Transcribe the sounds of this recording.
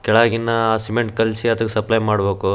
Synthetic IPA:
kɛɭaːɡinːɐaːsimeɳʈ̚kɐlsiɐd̪ɐksɐplɐjmaːɽbe̞ːku

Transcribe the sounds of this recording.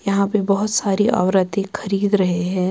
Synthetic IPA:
jɐɦãpebɐɦʊt̪saːɾiʔɐ̰ʋɾət̪ẽxʰɐɾiːd̪ɾɐɦeɦɛ̃ː

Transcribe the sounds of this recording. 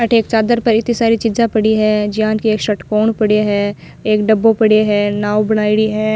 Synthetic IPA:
ɐʈʰeːk̚t͡ʃaːd̪əɾpɐɾɪt̪ĩsaːɾit͡ʃid͡ʒãpɐɽiɦɛ̃ːd͡ʒijaːnkieːkʃɐʈkoːɳpɐɽeɦɛː | eːkɖɐbːõpɐɽeɦɛːnaːwbɐɽaːiɽiɦɛː

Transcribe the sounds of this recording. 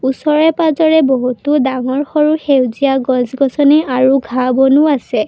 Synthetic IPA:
usɔɹɛpazɔɹɛbɔɦutudaŋɔɹxɔɹuxewzijaɡɔ̃zɡɔsɔniʔaɹuɡʱabɔnuasɛ

